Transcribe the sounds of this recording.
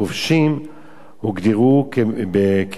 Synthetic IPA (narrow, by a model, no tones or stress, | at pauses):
ovʃim | huɡd̪iʁukbek